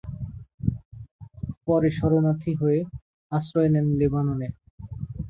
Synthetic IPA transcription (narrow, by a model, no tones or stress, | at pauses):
pɔɾeʃɔɾonat̪ʰiɦoe | asɾɔenenlebanone